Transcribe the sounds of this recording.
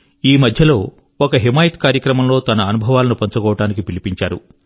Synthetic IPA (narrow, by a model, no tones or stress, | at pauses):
iːmɐd̪ʱjɐlo̞ː | ɔkɐɦimaːjit̪kaːɾjɐkɾɐmɐmlo̞ːt̪ɐnɐːnubʱɐʋaːlɐnupɐɲt͡ʃɐkɔːʋɐʈaːnikipilipiɲt͡ʃaːɾṵ